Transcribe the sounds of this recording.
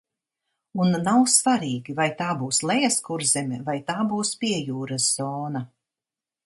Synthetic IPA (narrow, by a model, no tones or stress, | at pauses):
unːawsvaɾiːɡʲivajt̪aːbuːslˠɛjɛskuɾzɛmʲɛvajt̪aːbuːspʲiɛjuːɾasz̥ɔːna